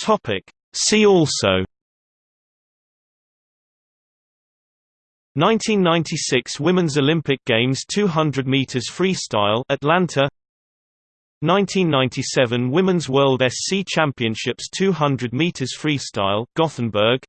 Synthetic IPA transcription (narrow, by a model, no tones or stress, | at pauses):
tʰɒpʰɪk | siːɔˑlˠsəʊ | nãɪ̃ntʰĩnːãɪ̃ntʰisɪkswɪmɪ̃nzəlɪ̃mpɪk̚ɡ̥ẽɪ̃mz̥tʰʉːɦʌ̃ndɹəd̚miˑtʰəz̥fɹiːstaɪləʔlãntʰə | nãɪ̃ntʰĩnːãɪ̃ntʰisɛvə̃nwɪmɪ̃nzwɜːlˠdɛstsiːt͡ʃʰãmpiə̃nʃɪpstʰʉːɦʌ̃ndɹəd̚miˑtʰəz̥fɹiːstaɪlˠɡ̥ɒθn̩bɜːɡ̥